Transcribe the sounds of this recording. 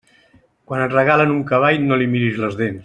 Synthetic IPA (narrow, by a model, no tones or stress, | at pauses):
kwanətrəɣ̞alənuŋkəβajnolimiɾizləzðens